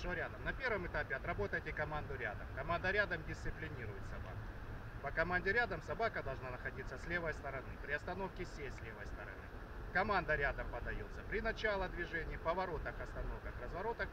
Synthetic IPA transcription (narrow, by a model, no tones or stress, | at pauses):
ʂəəɾʲad̪əmnɐpʲe̞rvəmɨt̪apʲɪɐt̪ɾɐbo̞t̪əjtʲɪkɐmand̪ʊɾʲa̰d̪ə̰mkɐmand̪əɾʲad̪əmdʲɪst̪ɨplʲɪnʲiɾʊjɪt̪sɐba̰kʊ | pəkɐmanʲdʲɪɾʲad̪əmsɐbakəd̪ɐlˠʐnanəxɐdʲit̪sːəsʲlʲevəjst̪əɾɐnɨpɾʲɪɐst̪ɐno̞fkʲɪsʲejsʲlʲevəjst̪əɾɐ̰nɨ̰ | kɐmand̪əɾʲad̪əmpɐd̪ɐjot̪səpɾʲɪnɐt͡ɕalˠəd̪vʲɪʐɛnʲɪːpəvɐɾo̞t̪əxɐst̪ɐno̞fkəxrəzvɐɾo̞t̪ək